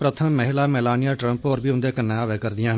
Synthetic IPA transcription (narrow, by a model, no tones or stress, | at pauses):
pɾət̪ʰəmːəɦɪlaːmɛːlaːnɪjaːʈɾə̃mpoːɾbiːʊnd̪eːkənːẽːaːʋeːkəɾd̪ɪjãː